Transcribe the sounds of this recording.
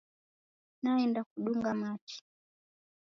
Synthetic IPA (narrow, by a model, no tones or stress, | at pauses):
naɛndakuɗuŋɡamat͡ʃi̥